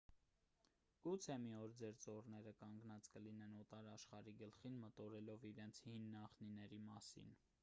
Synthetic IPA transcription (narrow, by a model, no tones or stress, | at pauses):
ɡ̥ut͡sʰɛmiɔɾd͡zɛɾt͡sɔrnɛɾəkɑŋɡnɑt͡skəlinɛnɔt̪ɑɾɑʃχɑɾiɡəlχinmət̪ɔɾɛlɔviɾɛnt͡sʰhinːɑχninɛɾimɑsḭn